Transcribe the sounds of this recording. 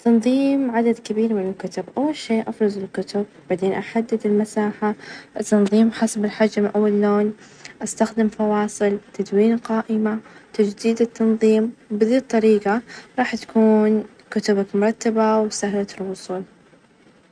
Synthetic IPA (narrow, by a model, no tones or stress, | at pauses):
t̪ːɑnðˤiːmʕad̪ad̪kɪbiːɾmɪnɪlkʊt̪ʊbʔawːalʃeːʔafɾˤɑzˤɪlkʊt̪ʊb̚b̥aʕd̪eːnʔaħad̪ːɪd̪ɪlmasaːħaʔɪt̪ːɑnðˤiːmħasabɪlħad͡ʒːamɪnʔawːalːoːn | ʔast̪axd̪ɪmfɑwɑːsˤɨlt̪ad̪wiːnqɑːʔɪmat̪ad͡ʒd̪iːd̪ɪt̪ːɑnðˤiːmbɪðiːt̪ˤːɑɾiːqaɾˤɑːħt̪ḁkuːn | kʊt̪ʊbakmʊɾˤɑt̪ːabawsahlat̪ɪlwʊsˤuːl